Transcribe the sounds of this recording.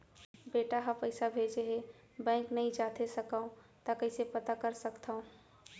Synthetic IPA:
beːʈaɦapəɪsabʱeːd͡ʒeɦe | bɛ̃ːŋknəɦĩd͡ʒaːt̪ʰesəkaõt̪akəɪsepət̪akəɾsəkt̪ʰaõ

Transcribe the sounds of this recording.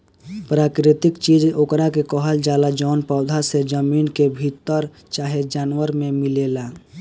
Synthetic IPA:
pɾaːkɾɪt̪ɪkt͡ʃid͡ʒokɾakekɔɦəld͡ʒaːlad͡ʒɔːnpaʊd̪ʱased͡ʒəmiːnkebʱit̪ːəɾ | t͡ʃaːɦed͡ʒaːnwəɾmẽmɪleːla

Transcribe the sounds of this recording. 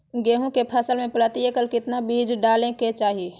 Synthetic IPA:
ɡeːɦõkepʰəsəlmẽpələt̪iekəlkɪt̪nabiːd͡ʒɖaːlẽket͡ʃaːɦie

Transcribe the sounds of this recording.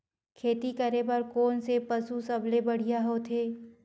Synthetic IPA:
kʰeːt̪ikɐɾebɐɾkoːnsepɐsusɐblebɐɽ̤ijaɦoːt̪ʰeː

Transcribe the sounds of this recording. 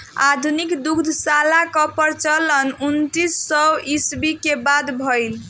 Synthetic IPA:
a̰d̪ʱunikd̪ukd̪ʱsalakɔpəɾt͡ʃələnunt̪isːɔwisbikebad̪bʱʌjl

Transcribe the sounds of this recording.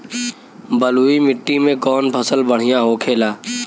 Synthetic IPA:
bəluimɪʈːimẽkɔːnpʰəsəlbəɽ̤ɪjãɦokʰeːlaː

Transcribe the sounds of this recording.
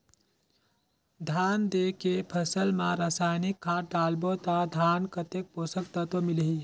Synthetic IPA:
d̪ʱaːnd̪eːkepʰəsəlmãɾaːsaːjnɪkʰːaːʈ̚ɖaːlbot̪ad̪ʱaːnkət̪ek̚poːsəkt̪at̪omɪlɦi

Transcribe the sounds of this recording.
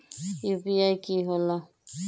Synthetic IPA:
jupiajkiɦɔla

